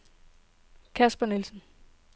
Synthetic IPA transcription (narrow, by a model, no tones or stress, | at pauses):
kʰæsb̥ənilsn̩